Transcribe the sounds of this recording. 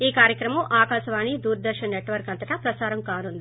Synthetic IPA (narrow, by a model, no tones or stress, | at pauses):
iːkaːɾjɐkɾɐmɐmaːkaːʃɐʋaːnid̪uːɾɐd̪ɐɾʃɐneʈʋɐɾkɐnt̪ɐʈɐpɾɐt͡ʃaːɾɐmkaːnund̪i